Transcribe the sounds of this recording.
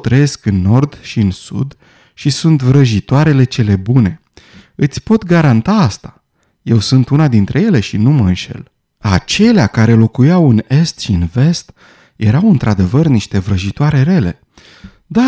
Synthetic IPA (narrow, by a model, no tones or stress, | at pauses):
t̪ɾəje̞skɨnːo̞rd̪ʃiɨnsṵd̪ | ʃisunt̪vɾəʒit̪oaɾe̞le̞t͡ʃe̞le̞bune̞ | ɨt̪sʲpo̞t̪ɡaɾant̪aast̪ḁ | je̞wsunt̪unad̪int̪ɾʔe̞je̞le̞ʃinuməɨnʃe̞̰l | a̰t͡ʃe̞leakaɾe̞lo̞kujawɨne̞st̪ʃiɨnve̞st̪ | je̞ɾawɨnt̪ɾad̪e̞vərniʃt̪e̞vɾəʒit̪oaɾe̞ɾe̞le̞̰ | d̪a